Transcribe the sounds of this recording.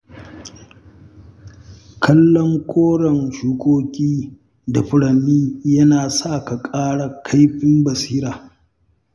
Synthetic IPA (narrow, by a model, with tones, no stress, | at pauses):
kʰɐ˦lːɔ˦ŋkʷʰoː˦ɽɐ˨ŋʃuː˨kʷʼoː˦kʲʼiː˦ | da˨ɸʊ˦ɽɐ˨nːiː˦jɐ˦naː˨sa˦˨ka˨kʼaː˦ɽa˨kʰa˦jɸɪ˦mbɐ˨siː˦ɾaː˨